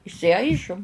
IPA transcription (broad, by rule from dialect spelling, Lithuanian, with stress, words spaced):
ɪʃʲsʲɪˈɐɪʒʊm